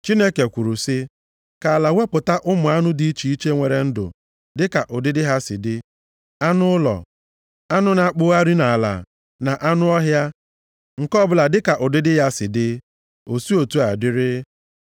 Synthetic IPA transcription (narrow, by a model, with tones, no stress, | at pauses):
t͡ʃi˦ne˦ke˨kʷu˨ɾu˨sɪ˦ | ka˨a˨la˨we˦pʊ˨ta˦ʔʊ˦mʊ˨a˦nʊ˦di˦i˦t͡ʃi˨i˦t͡ʃe˦ŋʷe˨ɾe˨n̩˦dʊ̰˨ | dɪ˦ka˨ʔʊ˨dɪ˦dɪ˦ɦa˦sɪ̰˨dɪ˦ | a˦nʊ˦lɔ̰˨ | a˦nʊ˦na˨k͡pʊ˦a˦ɾi˦na˨a˨la̰˨ | na˨ʔa˦nʊ˦ɔ˦ɦja˦ | ŋ̩˨kɔ˦bʊ˦la˨dɪ˦ka˨ʔʊ˨dɪ˦dɪ˦ɦa˦sɪ˨dɪ˦ | o˨si˦o˨tu˦a˨dɪ˦ɾɪ˦